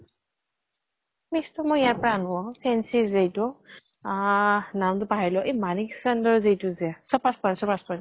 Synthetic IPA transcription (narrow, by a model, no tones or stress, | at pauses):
mistɔmɔjijaɹpɔɹanʊwɔpʰɛnsizejtʊ | namtʊpaɦajlɔʔemaniksandɔɹzijtʊzɛasɔpaspansɔpaspani